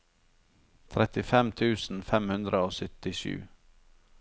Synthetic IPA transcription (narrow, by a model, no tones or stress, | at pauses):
t̪ʰɾɛt̪ɪfɛmt̪ʰʉːsn̩fɛmhʉnd̪ɾʔəoːsʏt̪ɪʃʉ̰ː